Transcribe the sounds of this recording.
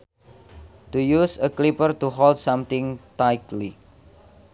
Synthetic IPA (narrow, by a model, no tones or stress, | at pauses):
t̪ujusəklipərt̪uɦɔld̪samt̪ɪŋt̪ajk̚tli